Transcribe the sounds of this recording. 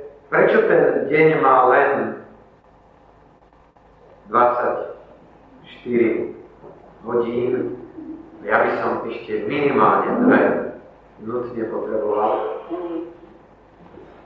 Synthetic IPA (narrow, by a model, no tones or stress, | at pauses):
pɾɛt͡ʃɔt̪ɛnɟɛɲmaːlɛn | d̪ʋat͡sːac | ʃt̪iɾi | ɦɔɟiːn | ajabisɔmɛʃcɛminimaːlɲɛd̪vɛ | nut̪ɲɛpɔt̪ɾɛbɔʋal